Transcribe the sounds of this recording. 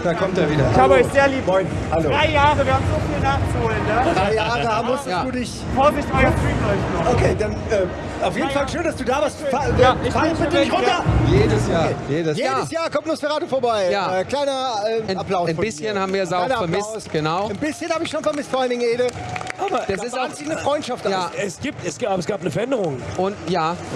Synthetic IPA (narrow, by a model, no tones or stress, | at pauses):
d̥aːkʰɔmteːɐviːdɐaːbəɔʏçz̥eːɐliːbəmɔʏn | haloːʁaɪjaːʁəviːɐhaːmzofiːlnaːχt͡suhoːlənːədʁaɪjaːʁəhaːbm̩mʊstəjaːd̥uːdɪç | fɔːvɪçtmaɪfilɔɪçnɔokʰeːd̥anʔɛː | aʊfjeːdnnfalʃøːndasd̥uːdaːvaːɐstfaaɪfaləfɪdɪçʁʊtɐjeːdəsjaːɐjeːdəsjeːəsjaːɐkɔmtnoːsfɛʁaːdtufoːɐbaɪjaːɛːkl̥aɪnɐɛːnaplaʊsnbɪsçənhaːbm̩viːɐzaʊnɐmɪsɡ̥ənaʊnbɪsçənhaːbɪçʃoːnfɔɐmɪstfɔʔalndɪŋeːdəaːbad̥asɪsazɪçnəfʁ̥ɔʏntʃaftʔajaːɛsɡ̥iːp̚tɛsɡ̥abɐsɡ̥aːpnəfɛɐʔɛndəʁʊŋʔʊntjaː